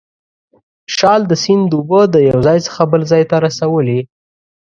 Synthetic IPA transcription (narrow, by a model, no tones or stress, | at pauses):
ʃɑld̪əsind̪əubəd̪əjawzɑjt͡sə̥xabəlzɑjt̪aɾasawəli